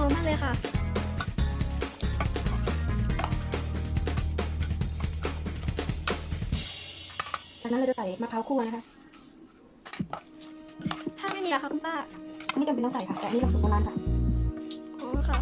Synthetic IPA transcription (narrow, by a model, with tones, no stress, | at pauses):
oː˨˧˦maː˥˩lɤː˧jkʰa˥˩ | t͡ɕaː˨˩kna˦˥˧t͡ɕa˧˨sa˨˦jmaː˧pʰaː˧˦˥wkʰuː˥˩˨na˦˥kʰa˦˥ | t̪ʰaː˥˩ma˥˩jmi˧la˧˥kʰa˥kʰu˧npʰaː˥˩˦a˥˩jt͡ɕa˧˩pe˧nɔː˧˥˨sa˨˩˦jkʰa˧˩t̪ɛː˨niː˧˥˧su˨˩k̚ʰːaː˧laː˧˥˩nkʰa˧˥˩ | ʔoː˧˩kʰa˥˩